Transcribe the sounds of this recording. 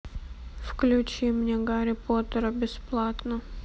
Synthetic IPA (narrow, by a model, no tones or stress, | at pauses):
fklʲʉt͡ɕimnʲeɡaɾʲɪpot̪əɾəbʲɪsplˠat̪nə